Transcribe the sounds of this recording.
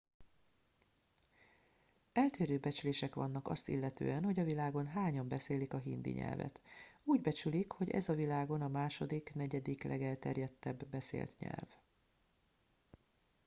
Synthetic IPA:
ɛlt̪eːɾøːbɛt͡ʃyleːʃɛkʋɒnːɒkɒ̰st̪ḭlːɛt̪ø̰ːɛnho̞ɟɒvilaːɡo̞nɦaːɲɒmbɛseːlikɒɦind̪ḭɲɛ̰lvɛ̰t̪uːɟbɛt͡ʃylikho̞ɟɛ̰zɒvilaːɡo̞nɒmaːʃo̞d̪iknɛɟɛd̪iklʔɛ̰ɡɛlt̪ɛrjɛt̪ːɛbːɛsḛːlt̪ɲɛ̰lv

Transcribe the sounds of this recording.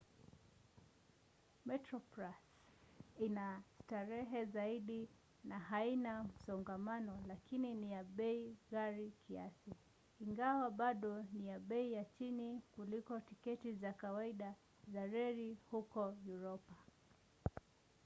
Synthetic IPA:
mɛtɾɔpɾas | inataɾɛɦɛzaiɗi | naɦainam̩sɔŋɡamanɔlakininijaɓɛiɣaɾikʰia̰siː | ŋɡawaɓaɗɔnijaɓɛijat͡ʃinikulikɔtikɛtizakawaiɗa | zaɾɛɾihukɔjuɾɔpa

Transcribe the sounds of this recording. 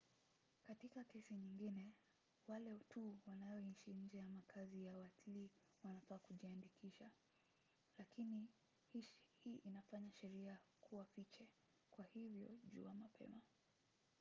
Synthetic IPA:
katikakɛsiɲiŋɡinɛ | walɛtʰuwanajɔiʃiɲ̩d͡ʒɛjamakʰazijawatili | wanafaːkuʄiandikʰiʃa | lakini | hihiːʔinafaɲaʃɛɾiakʰuwafit͡ʃɛ | kwahivjɔ̰ʄṵamapʰɛ̰ma

